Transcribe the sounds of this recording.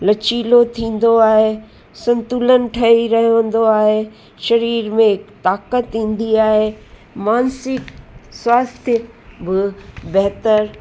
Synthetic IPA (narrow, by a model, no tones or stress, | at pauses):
lɐt͡ɕiːlot̪ʰĩːn̆d̪oaːɦe | sɐ̃nt̪ulənʈʰɐiɾɐɦʋə̃n̆d̪oaːɦe | ʃɐɾiːɾmẽɪkt̪aːkət̪ɦĩːn̆d̪iaːɦeː | maːnsɪkswaːst̪ʰjə | bɪbɛɦt̪əɾ